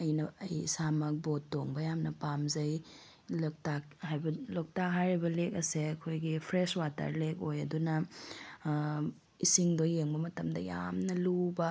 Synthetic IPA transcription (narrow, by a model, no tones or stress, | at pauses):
ɐjnɐɐjsamɐk̚botːoŋbɐjamnɐpamzɐj | lok̚tak̚hajbɐlok̚taɦaɾibɐlek̚ɐseɐkʰojɡipʰɾeswata̰ɾlek̚ojɐdunɐ | isiŋdojːeŋbɐmɐtɐmdɐ̰ja̰mnɐlubɐ